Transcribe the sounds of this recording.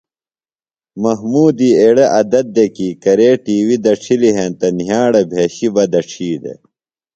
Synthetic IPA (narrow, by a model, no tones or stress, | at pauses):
mɐɦmuːd̪ieɽɐʔɐd̪ɐd̪̚ːekiːkɐɾeːʈiːwid̪ɐʈ͡ʂʰiliɦẽnt̪ɐnɦjaːɽɐbʱeːɕibɐd̪ɐʈ͡ʂʰiːd̪ḛ